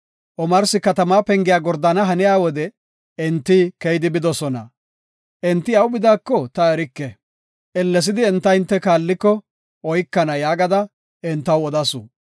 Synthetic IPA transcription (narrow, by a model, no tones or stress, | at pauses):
ʔɔmɐɾsɪkɐt̪ɐmaːpɛŋɡɪjaːɡɔɾd̪ɐnɐɦɐnɪjaːwɔd̪ɛ | ɪnt̪ːikɛjd̪ɪbɪd̪ɔsɔnɐ̰ | ʔɛnt̪ːɪɐwbɪd̪aːkːɔt̪ɐɛɾɪkːɛ | ʔɛlːɛs̬ɪd̪ɪɛnt̪ːɐɪnt̪ːɛkaːlːɪkːɔ | ɔjkːɐnɐjaːɡɐd̪ɐ | ɛnt̪ːɐwɔd̪ɐsṵ